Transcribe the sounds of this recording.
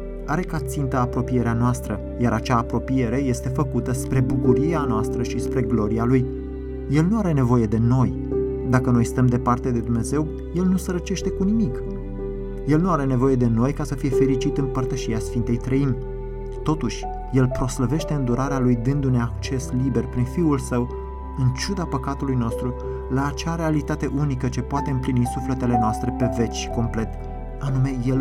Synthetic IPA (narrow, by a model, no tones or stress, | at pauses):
aɾe̞kat̪sint̪əapɾo̞pije̞ɾeanoast̪ɾə | jaɾat͡ʃaːpɾo̞pije̞ɾe̞je̞st̪e̞fəkut̪əspɾe̞bukuɾieanoast̪ɾəʃispɾe̞ɡlo̞ɾialujː | e̞lnuaɾe̞ne̞vo̞je̞d̪e̞no̞j | d̪akəno̞jst̪əmd̪e̞part̪e̞d̪e̞d̪umne̞ze̞w | je̞lnusəɾət͡ʃe̞ʃt̪e̞kunimik | je̞lnuaɾe̞ne̞vo̞je̞d̪e̞no̞jkasəfije̞fe̞ɾit͡ʃit̪ɨmpərt̪əʃiasfint̪e̞jt̪ɾəimʲ | t̪o̞t̪uʃʲ | je̞lpɾo̞sləve̞ʃt̪e̞ɨnd̪uɾʔaɾealujd̪ɨnd̪uneak̚t͡ʃe̞slibe̞rpɾinfiulsəw | ɨnt͡ʃud̪apəkat̪ulujno̞st̪ɾu | laːt͡ʃaɾe̞alit̪at̪e̞ʔunikət͡ʃe̞poat̪e̞ɨmplinisufle̞t̪e̞le̞noast̪ɾe̞pe̞ve̞t͡ʃʲʃi̥ko̞mple̞t̪ | anume̞je̞l